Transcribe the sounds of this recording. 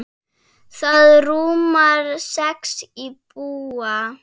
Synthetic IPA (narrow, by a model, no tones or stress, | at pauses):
θaðɾumaɾsɛksipʼua